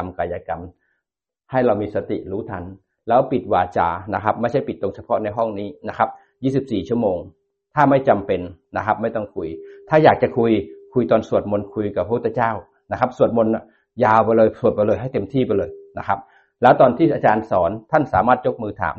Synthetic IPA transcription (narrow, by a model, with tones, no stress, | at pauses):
a˧mka˧jaː˧ka˧m | ha˥˩jɾa˧wmiː˧sa˧t̪ḭ˨˩ɾuː˦˥t̪ʰa˧n | lɛː˦˥wpi˨˩t̪̚waː˨˩t͡ɕa̰ː˧˩na˦˥kʰa˦˥p̚ma˥˩jt͡ɕʰa˥˩jpi˨˩t̪ːlo˧ŋt͡ɕʰa˧pʰɔ˦˥na˧jɦɔ˥˩ŋniː˦˥na˦˥kʰa˦˥p̚ | jiː˥˩si˨˩p̚siː˨˩t͡ɕʰu˥˩əmoː˧ŋ | t̪ʰaː˥˩ma˥˩jt͡ɕa˧mpe˧nna˦˥kʰa˦˥p̚ma˥˩jt̪ɔ˥˩ŋkʰu˧jt̪ʰaː˥˩jaː˨˩k̚t͡ɕa˨˩kʰu˧jkʰu˧jt̪ɔː˧nsu˨˩ət̪̚mo˧nkʰu˧jka˨˩pʰːa˦pʰt̪ʰːt͡ɕaː˥˩w | na˦˥kʰa˦˥p̚su˨˩ət̪̚mo˧na˧˩ | jaː˧wpa˧jlɤː˧jsu˨˩ət̪̚pjlɤː˧jɦa˥˩jt̪e˧mt̪ʰiː˥˩pa˧jlɤː˧jna˦˥kʰa˦˥p̚ | lɛː˦˥wt̪ɔː˧nt̪ʰiː˥˩ʔaː˧t͡ɕaː˧nsɔː˩˦nt̪ʰa˥˩nsaː˩˦maː˥˩t̪̚jo˦˥k̚mɯː˧t̪ʰa̰ː˩˦